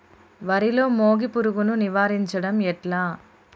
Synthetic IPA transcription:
ʋɐɾilo̞ːmoːɡipuɾuɡununiʋaːɾiɲt͡ʃɐɽɐmɛʈlaː

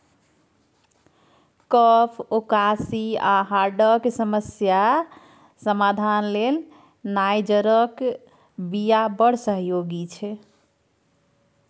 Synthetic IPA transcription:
kəpʰokasiaɦaɾɖəksəməsja | səmad̪ʱanlel | najd͡ʒəɾək | bijabəɽ̤səɦjoɡit͡ʃʰɛ

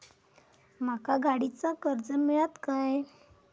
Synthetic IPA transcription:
m̤akaɡaɽit͡sakəɾd͡zəmiɭat̪kaj

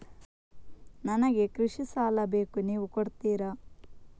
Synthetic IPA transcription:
nɐnɐɡe̞kɾuʂisaːlɐbe̞ːkuniːʋukoɽt̪iːɾɐ

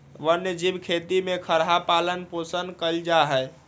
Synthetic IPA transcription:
ʋənjəd͡ʒibkʰet̪imekʰəɾɦapalənposənkəld͡ʒaɦɛj

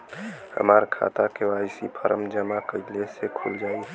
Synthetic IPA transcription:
hə̰maɾkʰa̰t̪akeʋajsipʰəɾəmd͡ʒəmakəɪlesekʰuld͡ʒaːi

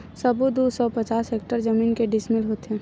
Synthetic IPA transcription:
sɐbud̪usɔpɐt͡ʃaːsɦeːk̚ʈəɾd͡ʒəmiːnkeɖɪsmɪlɦoːt̪eɦɛ̃ː

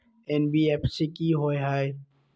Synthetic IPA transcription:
ɛnbieːpʰsekiɦoeɦae

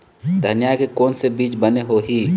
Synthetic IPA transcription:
d̪ʱənjajkekɔːnsebiːt͡ʃbəneɦoɦiː

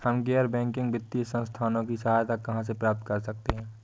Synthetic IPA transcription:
həmɡɛːəɾbɛ̃ːŋkɪ̃ŋɡbɪt̪ːiəsə̃nst̪ʰaːnõkisɐɦaːjt̪akɐɦãs̬epɾaːp̚t̪̚kəɾsək̚t̪eɦɛ̃ː

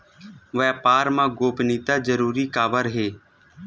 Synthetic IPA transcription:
ʋɛːpaːɾmãːɡoːpniːt̪aːd͡ʒəɾuːɾiːkaːbəɾɦeː

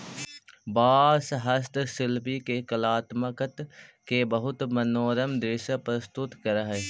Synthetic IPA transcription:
baːsɦəst̪sɪlpikekəlaːt̪məkət̪kebəɦʊt̪mɐnoːɾəmd̪eːʃəpɾəst̪ʊt̪kəɾaɦɛː

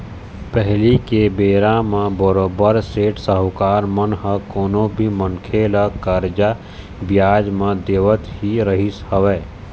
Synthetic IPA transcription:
pɛɦlikebeːɾãmẽbəɾoːbəɾseːʈʰsəɦkaːɾmənɦəkoːnõbʱimənkʰeːləkəɾd͡ʒa | bɪjaːd͡ʒmẽd̪eːʋət̪ɦiɾəɦɪshəʋɛː

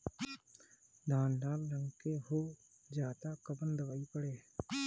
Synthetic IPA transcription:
d̪ʱaːnɖaːlːəŋkeɦoː | d͡ʒaːt̪akəbənd̪əʋaːipəɽeː

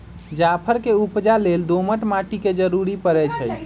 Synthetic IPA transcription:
d͡ʒapʰəɾkeupd͡ʒaleld̪oməʈmaʈiked͡ʒəɾuɾipəɾɛt͡ʃʰəj

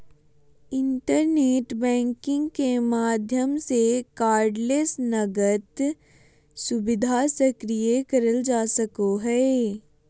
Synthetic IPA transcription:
ɪ̃nʈəɾneːʈbɛ̃ːŋkɪ̃ŋɡkemaːd̪ʱjəmsekaːɾɖleːsnɐɡət̪ | sʊbɪd̪ʱasəkɾijekəɾəld͡ʒaːsəkoɦɛː

